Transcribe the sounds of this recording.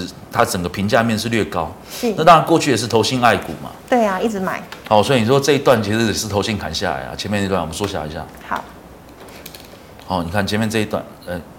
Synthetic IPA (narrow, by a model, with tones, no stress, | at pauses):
t̪ʰa˦˥ʈ͡ʂə˨˩ŋɡə˩pʰi˨˧˦ŋt͡ɕja˥˧mjɛ˥˧nʂ̬ɻ̩˥˧lɥɛ˥˩kɑ˦ʊ˥˧ | a˥˩t̪ɑ˥ŋɻa˧˦nkwɔ˥˧t͡ɕʰy˥˨jɛ˨˩ʂ̬̩˥˩t̪ʰo˧˥ʊɕi˥˧ŋa˥˩ɪkṵ˨˩ma̰˨˦t̪we˥˩ɪa˨i˥˩t͡sɻ̩˧˥ma˨˩˦ɪha˨˩ʊswɔ˧˥i˨˩ni˨˩˥wɔ˧˥ʈ͡ʂɤ˥˧i˧˥t̪wa˥˩nt͡ɕʰi˧˥ʂɻ̩˧˥jɛ˨˩ʂɻ̩˥˩t̪ʰo˧˥ʊɕi˥˩ŋkʰa˨˩nɕja̰˥˨la̰˨˦ɪla̰˨t͡ɕʰɛ˧˦mjɛ˥˧t̪wa˥˩˨ə˦n˥wɔ˥ɕja˥˩˨ḭ˧˥ɕja̰˥˩hɑ˨˩˦ | ha˨˦ʊni˨˩kʰa˥˩nt͡ɕʰɛ˧˦mjnʈ͡ʂɤ˥˧i˧˥t̪wa̰˥˩n | ɛ˥˩